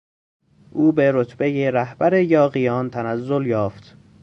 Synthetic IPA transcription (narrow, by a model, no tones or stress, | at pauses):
ʔuːbe̞ɾot̪ʰbe̞jeɾæhb̥æɾejɒːɣijɒːnt̪ʰænæzːo̞ljɒːft̪